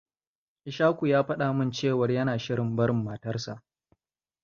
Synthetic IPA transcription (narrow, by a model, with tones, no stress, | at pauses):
ʔɪ˨ʃaː˦kʷu˨jaː˦ɸɐ˦ɗa˨mɪ˦nt͡ʃeː˦˨wɐ˨rjɐ˦naː˨ʃɪ˦ɽɪ˨mbɐ˦ɾɪ˨mːɐː˨tɐ˦rsa˨ʔ